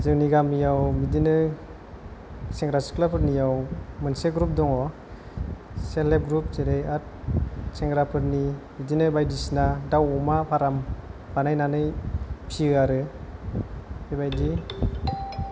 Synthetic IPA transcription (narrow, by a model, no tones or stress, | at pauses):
zɯwniɡamijawmidinɯ | seŋɡɾasi̥klapʰɯɾnijawmɯnseɡɾup̚dɔŋɔ | selep̚ɡɾup̚seɾejat̚seŋɡɾapʰɯɾnimidinɯbajdisinadawɔmapʰaɾamb̥anajnanɯjpʰiɯaɾɯ | ebajdi